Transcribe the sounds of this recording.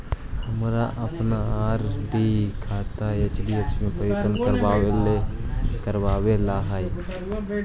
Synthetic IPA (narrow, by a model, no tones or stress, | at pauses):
həmɾaʔəpnaaːɾɖikʰaːt̪aet͡ʃɖiet͡ʃmẽpəɾjət̪ənkəɾbawelekəɾbaːwelaɦaj